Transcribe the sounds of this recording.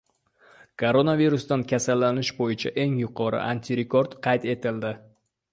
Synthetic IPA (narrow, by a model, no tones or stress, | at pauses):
kʰoɾonaviɾust̪ankʲʰasalːanɪʃbojɪt͡ʃʰaʔe̞ŋjʊqʰɒɾɪ̰ʔant̪ʰiɾekʰoɾd̪qʰɑjt̪e̞t̪ʰɪld̪ɪ